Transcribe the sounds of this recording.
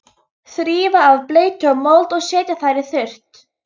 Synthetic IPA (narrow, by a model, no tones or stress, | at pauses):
θɾiːvaːvpleːjt̪ʰœmɔwlt̪ɔɣsɛːc̪aθajɾɪθʏr̥t̪